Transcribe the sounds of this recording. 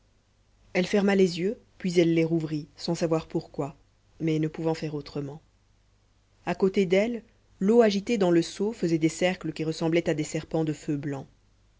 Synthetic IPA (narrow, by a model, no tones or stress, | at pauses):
ɛlfɛʁmalezjøpɥizɛlːeʁuvʁisɑ̃savwaʁpuʁkwa | mɛnəpuvɑ̃fɛʁot̪χəmɑ̃ | akot̪ed̪ɛlː | oaʒit̪ed̪ɑ̃ləsofəzɛd̪esɛʁkləkʲiʁəsɑ̃blɛt̪ad̪esɛʁpɑ̃d̪əføblɑ̃